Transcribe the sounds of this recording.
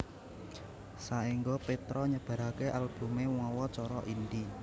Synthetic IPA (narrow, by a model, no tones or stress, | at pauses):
saiŋɡɔpet̪ɾɔɲəb̥a̤ɾakeʔalb̥umewɔwɔt͡ʃɔɾɔ̰ʔindi